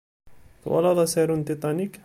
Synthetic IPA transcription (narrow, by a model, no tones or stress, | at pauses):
t̪wɑ̰lɑðˤɑsɛɾunt̪it̪ˤɑnik